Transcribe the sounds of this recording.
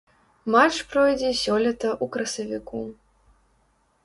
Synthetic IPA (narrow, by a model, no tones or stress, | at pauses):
mat͡ʂpɾɔjd͡zʲɛsʲɔlʲɛt̪ɐʔukɾɐsɐvʲiku